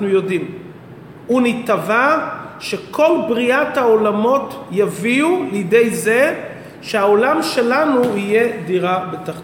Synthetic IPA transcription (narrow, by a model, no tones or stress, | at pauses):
nujo̞dim | unitavaʃe̞kʰo̞lbʁiathao̞lamo̞tjaviulejde̞jze̞ | ʃeao̞lamʃe̞lanuije̞diʁabetaχ